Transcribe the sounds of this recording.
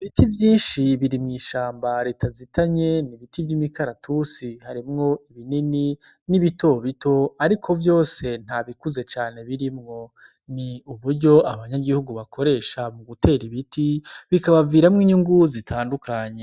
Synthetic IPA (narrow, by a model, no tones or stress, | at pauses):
βitivjiːnʃiβiɾimŋiːʃaːmbaɾe̞ːtʰazitʰaɲe̞niβitʰibjimikaɾatʰusihaɾimŋo̞iβinini | niβito̞βito̞aɾikʰo̞vjo̞ːse̞n̥haβikuze̞t͡ʃaːne̞βiɾimŋo̞ | niuβuɾɟo̞aβaɲaɡihuɡuβakʰo̞ɾe̞ːʃamuɡute̞ːɾiβitiβikaβaviːɾamŋiɲuŋɡuzitʰaːndukaɲe